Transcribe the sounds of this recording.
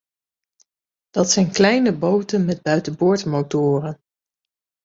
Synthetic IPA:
d̥ɑtsɛjnklɛjnəbowtənmɛd̚bœɥtəbʊːɹtmowtʊːrən

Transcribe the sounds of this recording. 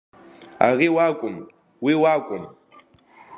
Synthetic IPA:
a̰ɣɪwakʼɔm̩ | wɪwakʼɔm̩

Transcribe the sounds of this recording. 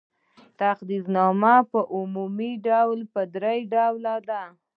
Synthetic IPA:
t̪aqd̪iznɑmapəʔumumiɖawlpəd̪ɾajɖawlad̪a

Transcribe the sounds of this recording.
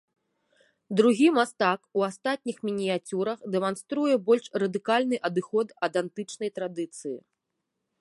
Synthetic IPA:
d̪ɾuɣʲimast̪akuast̪at̪ʲnʲixmʲinʲijat͡sʲuɾɐxd̪ɛmanst̪ɾujɛbɔlʲʂrɐd̪ɨkalʲnɨʔɐd̪ɨxɔt̪ɐd̪ant̪ɨt͡ʂnɐjt̪ɾad̪ɨt̪sɨjḭ

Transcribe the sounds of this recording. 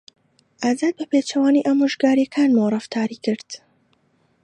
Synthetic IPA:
ʔaːzaːd̪̚bɐpeːt͡ʃʰɐwaːniʔamuʒɡaːɾjɛkʰaːnmowrˤɨft̪ʰaːɾikɨɾd̪̥

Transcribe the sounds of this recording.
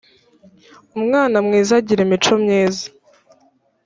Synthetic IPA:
umŋaːnamŋiːzaɟiɾemit͡ʃo̞mɲeːzḁ

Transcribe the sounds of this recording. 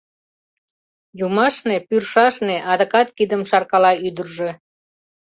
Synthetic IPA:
jumɑʃnepyrʃɑʃneʔɑd̪əkɑt̪kid̪əmʃɑrkɑlɑyd̪ərʒe

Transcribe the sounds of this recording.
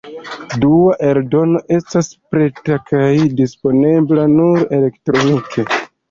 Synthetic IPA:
duaʔe̞ɾdo̞no̞ʔe̞staspɾe̞takʰajdispo̞ne̞blanuɾele̞ktɾo̞nikʰe̞

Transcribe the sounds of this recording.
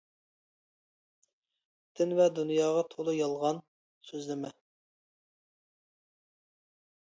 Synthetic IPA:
d̪̥ɪnvɛd̪unjɑːʁɑt̪ʰolˠujɑlˠʁɑn | søzlɪmɛ

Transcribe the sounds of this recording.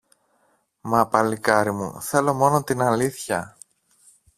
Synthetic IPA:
mɐpɐlikɐɾimṵθe̞lo̞mo̞not̪inɐliθçɐ

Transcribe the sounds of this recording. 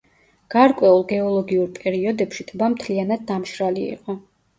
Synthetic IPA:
ɡ̥aɾkʼwɛulˠɡɛɔlˠɔɡiuɾpʼɛɾiɔd̪ɛpʃit̪ʰbamt̪ʰlianad̪̚ːamʃɾaliḭqʼɔ

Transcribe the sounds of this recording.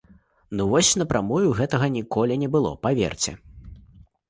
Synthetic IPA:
nuvɔsʲnɐpɾʔamɔjuɣɛt̪ɐɣɐnʲikɔlʲinʲɛbɨlˠɔ̰pavʲɛ̰rt͡sʲɛ̰

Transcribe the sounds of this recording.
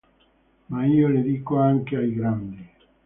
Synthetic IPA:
maioleðikoaŋkeajɡɾand̪e

